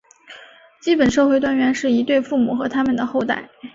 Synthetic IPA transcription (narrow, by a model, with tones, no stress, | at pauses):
t͡ɕi˥pə˨˩nʂɤ˥˧xwe˥˧ɪt̪wa˥nɥɛ˧˥nʂɻ̩˥˩i˧˥t̪we˥˧ɪfu˥˩mu˨˩xɤ˧˥t̪ʰa˥mə˨˩nd̪ə˩xo˥˧ʊt̪a̰˥˩ɪ